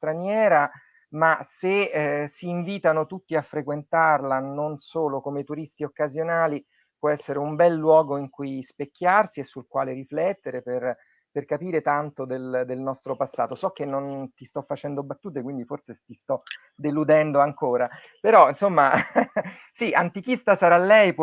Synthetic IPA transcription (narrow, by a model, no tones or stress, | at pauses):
st̪ɾanjɛːɾa | masesiːɱviːt̪anot̪ut̪ːiafːɾekwent̪arlanonsoːlokomet̪uɾist̪iokːazjonaːli | pwɔɛsːeɾeumbɛlːwɔːɡoiŋkujspekːjarsiesulkwaːleɾiflɛt̪ːeɾeper | perkapiːɾet̪ant̪od̪eld̪elnɔst̪ɾopasːaːt̪osɔk̟ːenːont̪ist̪ɔfːat͡ʃɛnd̪obat̪ːuːt̪̬ekwind̪iforset̪ist̪ɔ | d̪elud̪ɛnd̪oaŋkoːɾa | peɾɔinsomːa | siʔant̪ikist̪asaɾalːɛjp